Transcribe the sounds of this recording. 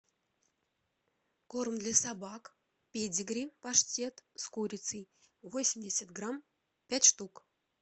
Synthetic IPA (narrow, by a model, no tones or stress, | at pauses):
kormd̪lʲasɑbɑk | pʲedʲiɡɾʲipɑʂtʲet̪skuɾʲit͡sɨ | vosʲɪmʲdʲesʲat̪̚ɡram | pʲætʲʂt̪uk